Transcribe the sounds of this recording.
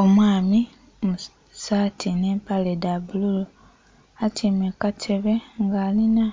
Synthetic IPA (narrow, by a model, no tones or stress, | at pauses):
omwaːmi | mu | saːtʰineːmpaledabululu | atʰimekatʰe̞βe̞ŋɡaːlina